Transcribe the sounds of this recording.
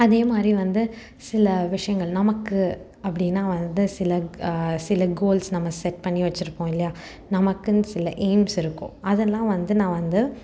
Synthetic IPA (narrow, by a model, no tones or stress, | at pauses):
ɐðeːmaːd̪ɾiʋɐnd̪ɯ | sɪlɐʋɪʂɐjɐŋɡɐɭnɐmɐkːɯ | ɐpːɐɽɪnːaːʋɐnd̪ɯsɪlɐsɪlɐɡoːlsnɐmːɐsɛʈpɐɳːiʋɐt͡ʃːɪɾɯpːõːɪlːɐjaː | nɐmɐkːɯnsɪlɐʔeːmsɪɾɯkːõ̰ːɐðɛlːãːʋɐnd̪ɯnãːʋɐnd̪ɯ